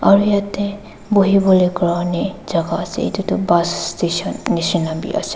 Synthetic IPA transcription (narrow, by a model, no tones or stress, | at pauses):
aɹujat̪ɛ | boɦibɔlojkɹanezaɡaːsɛ̰ḭt̪utɔbassteʃɔnːisinabḭʔa̰sɛ̥